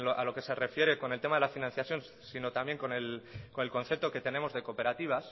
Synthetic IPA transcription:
oʔalo̞ke̞se̞re̞fje̞ɾe̞ko̞nelt̪emaðelafinãn̟θjaθjo̞n | sino̞t̪amje̞ŋko̞ne̞lko̞nelko̞nθe̞p̚t̪o̞ke̞t̪e̞ne̞mo̞zðe̞ko̞pe̞ɾat̪iβ̞as

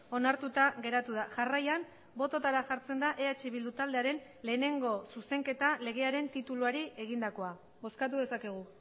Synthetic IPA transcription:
o̞naɾt̪ut̪aɣe̞ɾat̪uð̞aʝarajan | bo̞t̪o̞t̪aɾaxʝaɾt͡se̞nd̪aʔe̞at͡ʃiβild̪ut̪ald̪e̞aɾe̞n | le̞ːne̞ŋɡo̞suse̞ŋke̞t̪ale̞ɣ̞e̞aɾe̞nt̪it̪uluaɾie̞ɣ̞ind̪ako̞a | βo̞skat̪̬uðe̞sake̞ɣ̞u

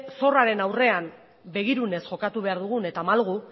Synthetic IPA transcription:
so̞raɾe̞nawre̞am | be̞ɣ̞iɾune̞sʝo̞kat̪uβe̞aɾðuɣ̞une̞t̪amalɣu

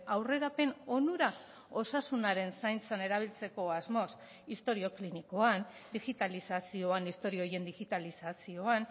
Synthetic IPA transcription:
awre̞ɾape̞no̞nuɾa | o̞sasunaɾe̞nsajnt͡sane̞ɾaβ̞ilt͡se̞ko̞azmo̞s | ist̪o̞ɾio̞kliniko̞and̪iɣit̪alisasio̞anist̪o̞ɾioje̞nd̪iɣit̪alisasio̞an

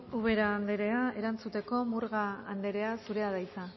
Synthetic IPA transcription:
uβ̞e̞ɾaːnd̪e̞ɾe̞ae̞ɾant͡sut̪e̞ko̞muɾɣaːnd̪e̞ɾe̞asuɾe̞aðajt͡sa

